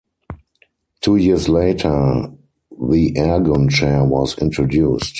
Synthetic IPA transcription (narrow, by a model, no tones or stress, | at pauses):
tʰuːjiəsleɪtʰə˞ | ðiʔɛɡɔ̃nt͡ʃɛwɔsɪ̃ntɹɔdjuːst